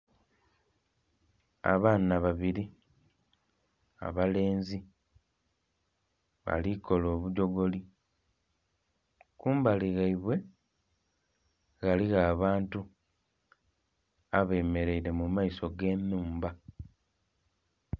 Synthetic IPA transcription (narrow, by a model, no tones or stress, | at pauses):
a̰βaːnaβaβiɾi | a̰βale̞ːnzi | βa̰liko̞lo̞ːβuɟo̞ɡo̞li | kuːmbaliɣaiβwe̞ | ɣaliɣaːβaːntu | aβe̞ːme̞ɾe̞iɾe̞mumaiso̞ɡe̞nːuːmba